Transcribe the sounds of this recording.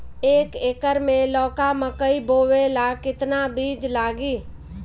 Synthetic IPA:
eːkeːkəɾmẽlɔːkaməkəiboːwelakɪt̪nabiːd͡ʒlaːɡiː

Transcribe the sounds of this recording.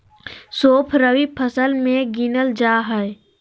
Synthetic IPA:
soːpʰɾəwipʰəsəlmẽɡinəld͡ʒaːɦɛe

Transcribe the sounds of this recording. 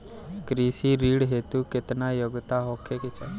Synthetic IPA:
kɾisiɾiːɽɦet̪uket̪najoɡt̪aɦokʰekɪt͡ʃʰɛ

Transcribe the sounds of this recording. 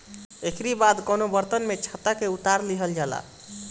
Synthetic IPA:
ekɾibad̪konobəɾt̪ənmet͡ʃʰət̪ːakeut̪aɾliɦəld͡ʒala̰

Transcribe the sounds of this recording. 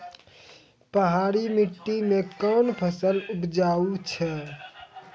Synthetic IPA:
pəɦaɾimiʈːimekənpʰəsəlupd͡ʒaut͡ʃʰɛ

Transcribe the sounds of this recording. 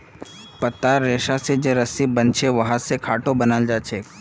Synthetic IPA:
pɐt̪ːaːɾeːʃased͡ʒeɾəsibɐnt͡ʃʰeʋɐɦãsekʰaːʈõbɐnald͡ʒaːt͡ʃʰeː

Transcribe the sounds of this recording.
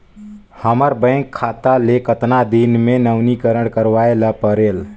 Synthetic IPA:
həməɾbə̃ɪ̃ŋkʰːat̪alekət̪nad̪inmenəʊnikəɾəɽkəɾʋaeləpəɾel

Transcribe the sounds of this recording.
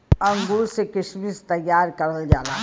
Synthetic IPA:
ɐ̃ŋɡulsekɪʃmist̪ɐjːaːɾkɐɾəld͡ʒaːɾaː

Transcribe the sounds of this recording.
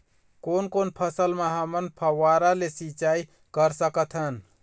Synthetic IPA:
koːnkonpʰəsəlmeɦəmənpʰəwaɾalesit͡ʃai | kəɾsəkət̪ʰɦən

